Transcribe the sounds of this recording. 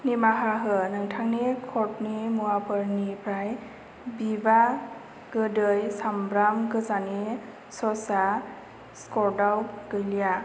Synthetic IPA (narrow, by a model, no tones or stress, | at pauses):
nimaɦaɦɯnɯŋtʰaŋnikʰɔtnimuapɯɹnipʰɾaj | biba | kɯdɯjsambɾamkɯzani | sɔsa | skɔdawɡɯjlija